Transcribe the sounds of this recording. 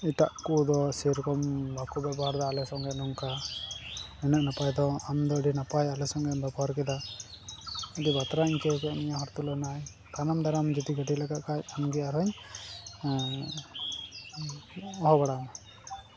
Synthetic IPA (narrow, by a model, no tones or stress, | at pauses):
iʈaʔkud̪ɔsiɾkɔmbakubɛbɔɦaɾd̪ɔalɛsɔŋɡɛnuŋka | ɛnəʔnapajd̪ɔamd̪ɔɖinapajalɛsɔŋɡɛbɛbɔaɾkɛd̪a | ɔd̪ibat̪ɾaiɲkɛkɛʔmiɲaɦɔɾt̪ulɔnaj | t̪anamd̪aɾamd͡ʒit̪iɡəʈilɛɡaʔkat͡ʃanɡiaɾaɲ | ɔɦɔbaɽana